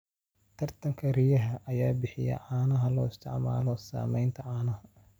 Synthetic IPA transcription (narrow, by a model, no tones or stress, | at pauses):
t̪ʰɐrt̪ʰɐŋkʰɐrijɐɦɐʔɐjaːbɪħɪjɛ̰ʕaːnɐɦɐlɔːɪst̪ʰɪʕma̰ːlɔsa̰ːmɛjnt̪ʰɐʕaːnɐhɐ